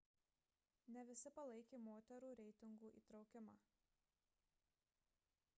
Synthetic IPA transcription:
nʲɛʋʲɪsʲɪpɐlˠɐɪkʲeːmoːt̪ʲɛɾuːɾʲɛɪt̪ʲɪŋɡuːʔḭːt̪ɾɒʊkʲɪmɑː

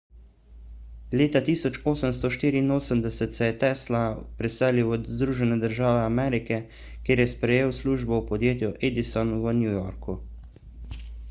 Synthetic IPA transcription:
leːt̪at̪iːsɔt͡ʃoːsəmst̪ɔʃt̪iːɾiːnoːsəmd̪ɛsɛt̪sɛjɛt̪ɛːslapɾɛsɛːliwɔzd̪ɾuːʒɛnɛd̪əɾʒaːʋɛamɛːɾikɛ | kʲjeːɾjɛspɾɛjeːwsluːʒbɔupɔd̪jeːt̪juʔeːd̪isɔnʋənjuːjɔɾku

